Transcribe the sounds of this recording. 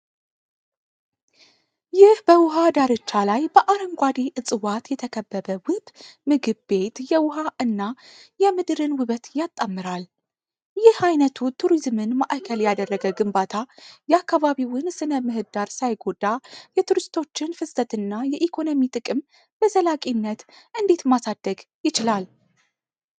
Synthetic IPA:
jɪhbəwʊɦad̪aɾɨt͡ʃːalajbəʔaɾəŋɡʷad̪eʔɨt͡sʼɨwat̪jɛt̪ʰəkʰəbːəβəwɨbmɨɡɨbbe̞t̪jɛwʊɦaʔɨnːajɛmɨd̪ɾɨnwɨβət̪jat̪ʼːamːɨɾal | jɪhajnət̪ʰut̪ʰuɾizmɨnmaʔakʰəljad̪ərːəɡəɡɨmbat̪ʰajɛakːaβaβiwɨnsɨnəmɨɦɨd̪aɾsajɡo̞d̪ajɛt̪ʰuɾɨst̪ʰo̞t͡ʃːɪnfɨstət̪ɨnːajɛʔikʰo̞no̞mit̪ʼɨkʼɨm | b̥əzəlakʼinːət̪ʔɨnd̪e̞t̪masad̪̥ːəɡjɪt͡ʃɪlal

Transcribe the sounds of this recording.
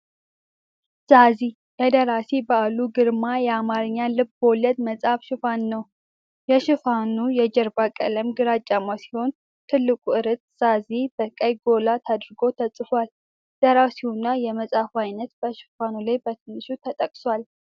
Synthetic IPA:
z̥azi | jəd̪əɾasibəaluɡɨɾmajɛamaɾɨɲːalɨbbolɛd̪məsʼafʃɪfanːəw | jɛʃɪfanujɛd͡ʒɛɾbakʼə̰ləmɡɨɾat͡ʃʼːamasi̥ho̞n | t̪ʰɨlːɨkʼuɨɾət̪z̥azibəkʼəjɡo̞lat̪ʰad̪ɾɨɡo̞t̪ʰəsʼfal | d̪̥əɾasihunːajɛməsʼafajnət̪bəʃɪ̥fanulajbət̪ʰɨnːɨʃut̪ʰət̪ʼəkʼswal

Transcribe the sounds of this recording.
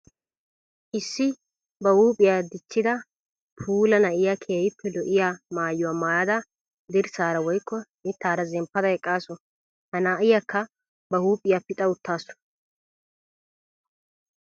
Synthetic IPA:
ʔɪsːɪ | bɐhuːpʼɪjaːd̪ɪt͡ʃːɪd̪ɐ | pʰuːlɐnɐʔɪjakʰeːjɪpʰːɛlɔʔɪjamaːjːʊwaːmaːɐd̪ɐ | d̪ɪɾsaːɾɐwɔjkːɔnɪt̪ːaːɾɐzɛmpːɐd̪ɐɛkʼːaːsɔ | hɐnaːʔɪjakːɐ | bɐhuːpʼɪjapɪt̪ʼɐʊt̪ːaːsʊ̥n

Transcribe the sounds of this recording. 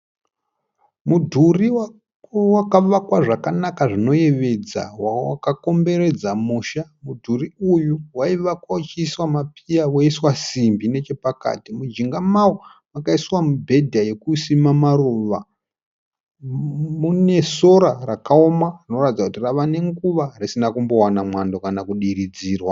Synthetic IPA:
mudʱuriwa | wakaʋakwaʐakanakaʐino̞je̞ʋe̞d͡za̰waakako̞mbe̞ɾe̞d͡zamuːʃamudʱuriujuwaiʋakwawat͡ʃiːswamapijawoiswasimbine̞t͡ʃe̞paka̰ːtimud͡ʒiŋɡamawo | makaiswamubʱe̞dʱaje̞kusimamaruːʋa | mune̞so̞ɾarakaomarino̞ratid͡zakutiraʋane̞ŋɡuʋarisinakumbo̞wanamwando̞kanakuɗiɾid͡ziːrwa

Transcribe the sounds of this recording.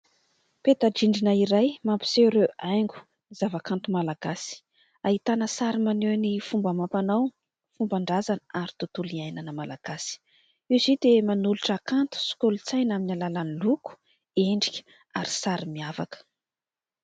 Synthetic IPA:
pet̪aɖ͡ʐiɳɖ͡ʐinaiɾajmampi̥seɾeajŋɡu̥ | nizavakant̪umalaɡasi̥ | aɦit̪anəsaɾimanenifumbəmampanaw | fumbaɳɖ͡ʐazanəaɾit̪ut̪uliajnanəmalaɡ̥asi̥ | iwzid̪emanuluʈ͡ʂakant̪u̥si̥kulut͡sajnaminalalaniluku̥ | eɳɖ͡ʐikʲə̥ | aɾisaɾimiava̰kə̥

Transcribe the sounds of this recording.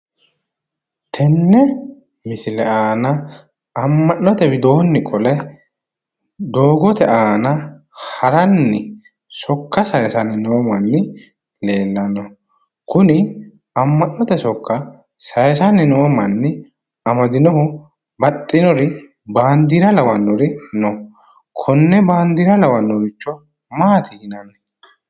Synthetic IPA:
t̪ʰɛnːɛ | mɪsɪlɛaːnɐː | mːɐnːɔt̪ɛbɪd̪o̞ːnːɪkʼɔlɛ | d̪o̞ːɡɔt̪ɛʔaːnɐ | hɐɾɐnːɪ | sɔkːɐsɐjsɐnɪnɛwɔmɐnːɪ | le̞ːlːɐnːɔ | kʊnɪ | ɐmːɐnːɔt̪ɛsɔkːɐ | sɐjsɐnɪnɛwɔmɐnːɪ | ɐmɐd̪ɪnɔɦʊ | bɐt̪ʼːɪnɔɾɪ | baːnd̪iɾɐlɐwɐnːɔɾɪnɔ | kʰɔnːɛbaːnd̪iɾɐlɐwɐnːɔɡɪt͡ʃːɔ | maːt̪ʰɪɡɪnɐnːɪ

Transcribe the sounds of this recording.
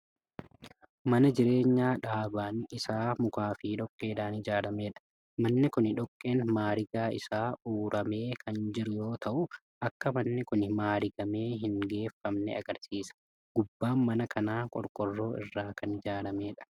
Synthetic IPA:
mɐnɐd͡ʒɪɾe̞ːɲːaːᶑaːbaːnɪsaːmʊkaːfɪːᶑɔkʼːeːᶑaːnɪd͡ʒaːɾɐmeːᶑɐ̥ | mɐnːɪkʊnɪᶑɔkʼːeːnmaːɾɪɡaːɪ̰saːuːɾʔɐme̞ːkʰɐnd͡ʒɪɾʊjo̞ːt̪ʰɐʔʊ | ʔɐkːɐmɐnːɪkʊnɪmaːɾɪɡɐme̞ːɦɪŋɡe̞ːfːɐmnɛ̰ɐ̰ɡɐɾsiːsɐ̥ | ɡ̥ʊbːaːnmɐnɐkʰɐnaːkʼɔ̰ɾkʼɔrːo̞ːʔɪ̰rːaːkʰɐnɪd͡ʒaːɾɐme̞ːᶑɐ̥

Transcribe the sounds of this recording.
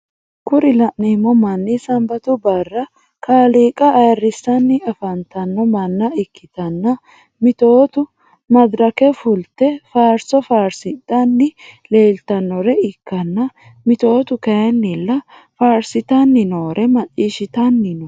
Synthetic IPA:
kʊɾɪlɐʔneːmɔmɐnːɪsɐmbɐt̪ʊbɐrːɐ | kaːliːkʼɐːjɐrːɪsːɐnːɪɐfɐnt̪ɐnːɔmɐnːɐɪkːɪt̪ɐnːɐ | mɪt̪o̞ːt̪ʊ | mɐd̪ɾɐkɛfʊlt̪ɛfaːɾsɔfaːɾsɪt̪ːɐnːɪleːlt̪ɐnːɔɾɛɪkːɐnːɐ | mɪt̪o̞ːt̪ʊkɐjɐnːɪlːɐ | faːɾsɪt̪ɐnːɪnoːɾʔɛmɐt͡ʃʼiːʃɪt̪ɐnːɪnɔ

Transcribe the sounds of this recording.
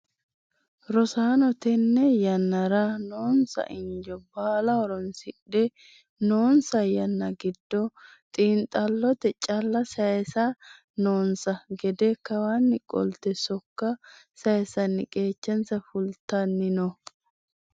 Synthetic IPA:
ɾɔsaːnɔt̪ɛnːɛjɐnːɐɾanoːnsɐ̰ʔɪɲd͡ʒɔbaːlɐɔɾɔnsɪᶑɛ | noːnsɐjɐnːɐɡɪd̪ːɔ | t̪ʼiːnt̪ʼɐlːɔt̪ɛt͡ʃʼɐlːɐsɐjɛsa | noːnsɐɡɛd̪ɛkɐwaːnːɪkʼɔ̰lt̪ɛsɔkːɐ | sɐjɛsɐnːɪkʼe̞ːt͡ʃːɐnsɐfʊlt̪ɐnːɪnɔ

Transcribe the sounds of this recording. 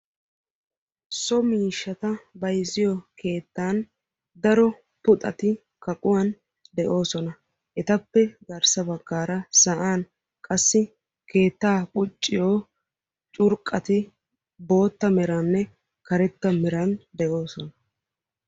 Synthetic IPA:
sɔmiːʃːɐt̪ɐbɐjzɪjɔke̞ːt̪ːaːn | d̪ɐɾɔ | pʊt̪ʼɐ̰t̪ɪ | kɐkʼʊwɐn | d̪ɛʔo̞ːsɔnɐ | ʔɛt̪ɐpːɛɡɐɾsɐbɐɡːaːɾɐsɐʔaːn | kʼɐsːɪ | ke̞ːt̪ːaːkʼʊt͡ʃʼːɪjoː | t͡ʃʼʊɾkʼːɐt̪ɪ | bo̞ːt̪ːɐmɛɾɐnːɛ | kɐɾɛt̪ːɐmɛɾɐnd̪ɛʔo̞ːsɔnɐ

